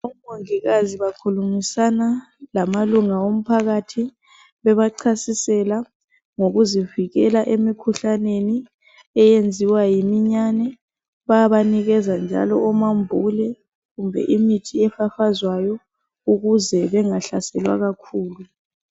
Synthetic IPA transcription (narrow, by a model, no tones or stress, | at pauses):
umoŋiɣaziβakʰulumisana | lamaluŋaom̩pʰaɣatʰi | βɛβaǃʰasisɛla | ŋoɣuziviɣɛlaʔemikʰuɬaneni | ɛjend͡zʱiwajimiɲanɛ | βaaβaniɣɛzand͡ʒʱa̰lɔɔmambʱulɛ | ɣumbʱɛ̰ʔimitʰiɛfafazwajɔ | uɣuzɛβɛŋaɬasɛlwa̰ɣakʰuːlu